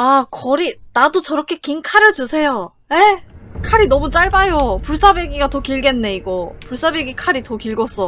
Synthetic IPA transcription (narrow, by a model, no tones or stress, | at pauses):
akʌɾinadot͡ɕʌɾʌkʰe̞kiŋkʰaɾjʌt͡ɕusʰe̞jo | ekʰaɾinʌmut͡ɕ͈aɭbajopuɭs͈abe̞ɡiɡatʌkiɭɡe̞nːe̞iɡʌpuɭs͈abe̞ɡikʰaɾitʌkiɭɡʌs͈ʌ